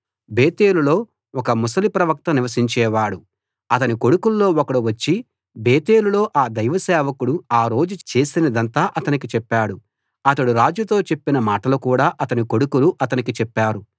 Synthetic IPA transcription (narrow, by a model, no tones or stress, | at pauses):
beːt̪e̞ːlulo̞ː | ɔkɐmusɐlipɾɐʋɐk̚t̪ɐniʋɐs̬iɲt͡ʃɛːʋaːɽu | ɐt̪ɐniko̞ɽukulːo̞ːɔkɐɽuʋɐt͡ʃːi | be̞ːt̪e̞ːlulo̞ːʔaːd̪ɐjʋɐsɛːʋɐkuɽuaːɾo̞ːd͡ʒut͡ʃe̞ːsinɐd̪ɐnt̪aːʔɐt̪ɐnikit͡ʃɛpːaːɽu | ɐt̪ɐɽuɾaːd͡ʒjut̪o̞ːt͡ʃepːinɐmaːʈɐlukuːɽaːʔɐt̪ɐniko̞ɽukuluʔɐt̪ɐnikit͡ʃɛpːaːɾu